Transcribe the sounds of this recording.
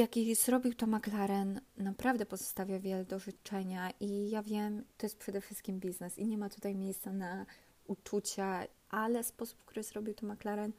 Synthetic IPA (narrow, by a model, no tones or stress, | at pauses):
jakʲiz̥ɾɔbʲiwt̪ɔmaklaɾɛnnapɾavd̪ɛpɔzɔ̥st̪avʲjavʲjɛlɛd̪ɔʐɨt͡ʂɛɲaʔijavʲjɛmt̪ɔjɛst̪pʂɛd̪ɛfʂɘst̪̚kʲimbʲiznɛsiɲɛmat̪ut̪ajmʲjejst̪sana | ut͡ʂut͡ɕa | ʔalɛspɔsu̥pfkt̪uɾɘz̥ɾɔbʲiwt̪ɔmaklaɾɛn